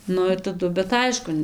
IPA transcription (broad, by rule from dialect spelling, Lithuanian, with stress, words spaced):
ˈnʊ ɪr tɐˈdʊ bʲɛt ˈɐɪʃkʊ